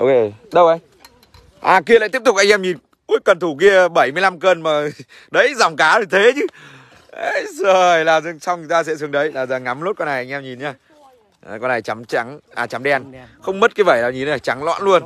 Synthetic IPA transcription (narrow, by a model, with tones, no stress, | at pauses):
ʔo˧ke˧˩ɗə˧wʔə˨˧˦j | ʔaː˨˩k̬i˧əlaː˧˨t̪i˦˥ət̪ʊ˨˩k̚ʔa˧jʔɛ˧mɲi˨˩n | ku˨˦əjkə˨˩nt̪ʰu˧˩ki˧əɓə˧˩jmɨ˧əjla˧mkəː˧nmaː˨˩ | ɗə˧˦jza˨˩wŋ͡mkaː˨˦zo˨˩jt̪ʰe˨˦t͡ɕɨ˨˦ | ʔə˨˦jzo˨˩jlaː˨˩zsa˧wt͡ɕɨ˨˩t̪aː˧sɛ̰˧˥sɨ˨əŋɗə˨˦jlaː˨˩zəː˨˩ŋa˨˦mlo˦˥t̚kɔ˧na˨˩ʔa˧jŋ̟ʔɛ˧mɲi˨˩nɲaː˧ | a˨˩kɔ˧na˨˩jt͡ɕa˨˦mt͡ɕa˨˦ŋʔaː˨˩t͡ɕa˨˦mɗɛ˧a˧nxə˧wŋ͡mmə˦˥t̚kaː˧˦jvə˧˩jlaː˨˩ɲi˨˩naː˨˩t͡ɕa˨˦ŋlwa̰ː˧˥nlu˧ən